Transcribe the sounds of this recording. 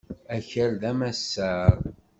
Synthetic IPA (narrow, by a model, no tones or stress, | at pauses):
æçəɾðæmæsːəɾˤ